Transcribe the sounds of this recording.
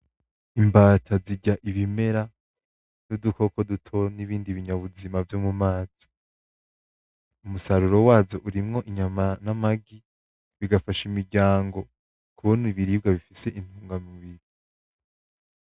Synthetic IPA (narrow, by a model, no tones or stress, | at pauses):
imbaːtʰaziɟaʔiβime̞ɾa | nuduko̞ko̞dutʰo̞niβiːndiβiɲaβuzimavjomumaːz̥i̥ | umusaɾuɾo̞waːzoʔuɾimŋo̞ʔiɲamanamaɡi | βiɡafaʃimiɾɟaːŋɡo̞ | kʰuβoniβiɾiːb̚ɡaβifise̞ʔin̥uːŋɡamiβiɾi